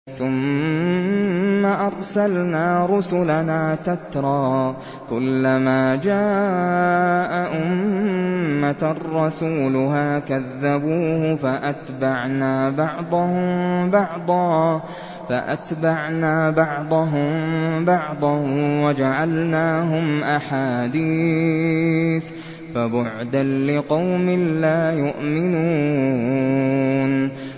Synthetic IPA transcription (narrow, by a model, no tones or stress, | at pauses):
θʊm | aʔɑɾˤsalnaːɾʊsʊlanaːt̪at̪ɾˤɑː | kʊlːamaːd͡ʒaː | ʔaʔʊmː | at̪rˤːɑsuːlʊɦaːkaðːabuːhʊfaʔat̪baʕnaːbɑʕd̪ˤɑhʊmbɑʕd̪ˤɑː | faʔa̰t̪baʕnaːbɑʕd̪ˤɑɦʊmbɑʕd̪ˤɑhwad͡ʒaʕalnaːɦʊmʔaħaːd̪iː | θ | fabʊʕd̪anlɪqɑwmɪlaːjʊʔmɪnuː | n